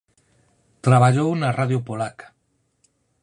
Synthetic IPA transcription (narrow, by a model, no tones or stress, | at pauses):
t̪ɾaβaʎownaraðjopolakḁ